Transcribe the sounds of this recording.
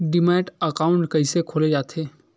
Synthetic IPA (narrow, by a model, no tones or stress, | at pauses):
ɖɪmɛ̃ːʈəkaːʊ̃ɳʈkɐisekʰoːled͡ʒaːt̪ʰeː